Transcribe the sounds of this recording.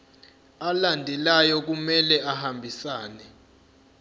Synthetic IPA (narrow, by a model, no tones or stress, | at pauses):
alandʱɛlajɔk̬umɛlɛahambʱisaːnɛ